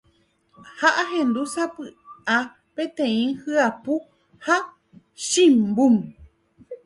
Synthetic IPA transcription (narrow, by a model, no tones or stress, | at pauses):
haʔaɦẽnd̪usapɨʔa | pẽt̪ẽĩhɨapu | ha | ʃĩmbum